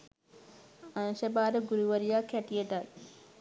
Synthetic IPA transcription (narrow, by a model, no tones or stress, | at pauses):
anʃɐbaːɾɐɡuɾuʋɐɾijaːkæʈijeʈal